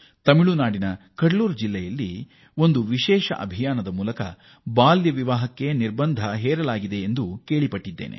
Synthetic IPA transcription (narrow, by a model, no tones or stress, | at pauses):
t̪ɐmiɭunaːɽinɐ | kɐɽɭuːɾd͡ʒilːɛjɐlːi | o̞nd̪uʋiʃɛːʃɐ̰ʔɐ̰bʱijaːnɐd̪ɐmuːlɐkɐ̰ | baːljɐʋiʋaːɦɐkːe̞niɾbɐnd̪ʱɐɦɛːɾɐlaːɡid̪e̞ːnd̪uke̞ːɭipɐʈːid̪ːeːnʔḛ